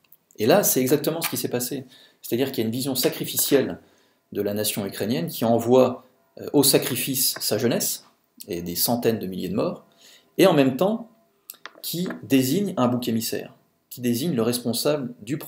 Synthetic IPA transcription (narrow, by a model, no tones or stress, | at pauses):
elasɛɛɡzak̚t̪əmɑ̃sə̥kʲisɛpase | sɛ̥t̪ad̪iʁkʲiljaynvizjɔ̃sakχifisjɛl | d̪əlanasjɔ̃ykχenjɛnkʲʰiɑ̃vwa̰ | ʔosakχifisːaʒənɛs | ed̪esɑ̃t̪ɛnd̪əmiljed̪əmɔːʁ | eɑ̃mɛmt̪ɑ̃ | kʲʰid̪eziɲɛ̃bukemisɛ̰ːʁ | kʲʰid̪eziɲləʁɛspɔ̃sabləd̪yp